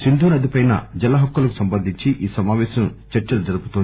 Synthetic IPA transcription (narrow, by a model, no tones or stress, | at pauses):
sind̪ʱuːnɐd̪ipɐjnɐ̰d͡ʒɐlːɐɦɐkːulɐku̥sɐmbɐnd̪ʱiɲt͡ʃiʔiːsɐmaːʋɛːsɐnut͡ʃɐɾt͡ʃɐlud͡ʒɐɾupu̥t̪on